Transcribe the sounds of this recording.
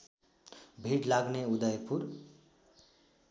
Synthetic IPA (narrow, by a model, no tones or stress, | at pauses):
bʱiʈlaɡneud̪ʌjpʰuɾ